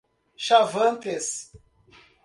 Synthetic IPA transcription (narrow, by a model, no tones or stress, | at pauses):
ʃavɐ̃nt̪es